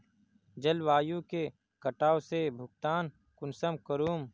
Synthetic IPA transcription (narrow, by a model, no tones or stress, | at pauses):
d͡ʒəlʋaːjũke | kəʈaːosebʱʊɡ̚t̪aːn | kʊnsəmkəɾuːm